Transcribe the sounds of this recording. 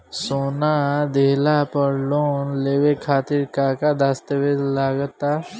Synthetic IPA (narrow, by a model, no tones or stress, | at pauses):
soːnad̪eːlapəɾloːnleːwekʰaːt̪iɾkaːkad̪aːst̪əʋezlaːɡət̪a